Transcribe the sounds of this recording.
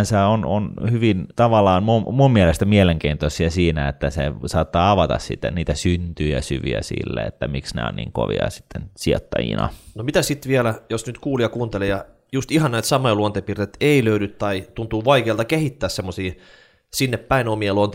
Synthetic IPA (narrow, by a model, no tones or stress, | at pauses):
nseononhyʋint̪ɑʋɑlːˑɑːnmummummielest̪æmieleŋkeint̪osiæsiːnæet̪ːæsesɑːt̪ːɑːɑʋɑt̪ɑ̰ssit̪ːænniːt̪æsynt̪yjæsyʋiæ̰sḭlːḛḛt̪ːæmiksnḛo̰nnḭːŋko̰ʋḭɑ̰si̥t̪ːensiot̪ːɑjḭnɑ̰nomit̪æsit̪ʋiælæjosnyt̪kuːljɑkuːnt̪elejɑ | just̪ihɑnnæit̪sɑmojluont̪epirt̪et̪eiløydyt̪t̪ɑit̪unt̪uːʋɑikeːlt̪ɑkehit̪ːæːssemːosiː | sinːeppæinomieluont̪e